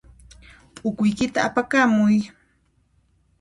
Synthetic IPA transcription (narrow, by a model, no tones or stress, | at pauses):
pʼʊkʊjkɪt̪aapakamʊj